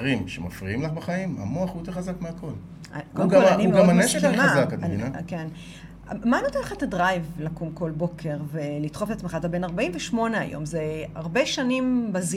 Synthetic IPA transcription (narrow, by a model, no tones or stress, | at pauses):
ʁimʃemafʁiimlaχbaχaima̰moaχujot̪eʁχazakmeako̞l | a̰koɡaanimeaomaneʃelemazakad̪inaken | manot̪elχatadʁajvlakumko̞lbo̞kʰe̞ʁvelit̪χofet̪at͡smeχat̪abe̞naʁbaimveʃmo̞nea̰jo̞̰mzea̰ʁbeʃanimbaz